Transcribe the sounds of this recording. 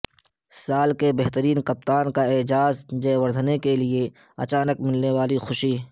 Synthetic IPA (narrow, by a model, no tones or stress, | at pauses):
saːlkebɛɦt̪əɾiːnkɐp̚t̪aːnkaɪd͡ʒaːzd͡ʒɐːwəɾd̪ʱnekelie | ɐ̰t͡ʃaːnəkmɪlneʋaːlixʊʃiː